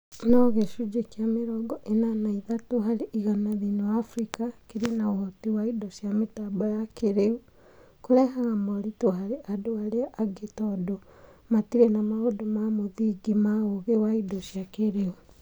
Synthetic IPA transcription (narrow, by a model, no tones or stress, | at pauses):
nɔɣeʃud͡ʒekjameɾɔɡɔʔenanaiðatoɦaɾeʔiɣanaðinowaːfɾikakeɾinaohɔtiwaidoʃjametabajakeɾeu | koɾɛhaɣamɔɾitoɦaɾeʔadoaɾeaʔaɡetɔdo | matiɾenamaɣodomamoðiɡimaoɣewaidoʃjakeɾeu